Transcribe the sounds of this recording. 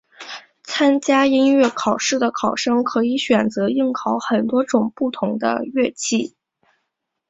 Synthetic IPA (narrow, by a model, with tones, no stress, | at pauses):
t͡sʰa˥nt͡ɕja˥i˥nɥɛ˥˩kʰɑ˨˩ʊʂɻ̩˥˩d̪ə˩kʰɑ˨˩ʊʂɤ˥ŋkʰɤ˧˥i˧˥ɕɥɛ˨˩nt͡sɤ˧˥i˥˩ŋkʰɑ˧˥ʊxə˨˩nt̪wɔ˥ʈ͡ʂʊ˨˩ŋpu˥˩t̪ʰʊ˧˥ŋd̪ə̰˧ɥɛ˥˧t͡ɕʰi˥˩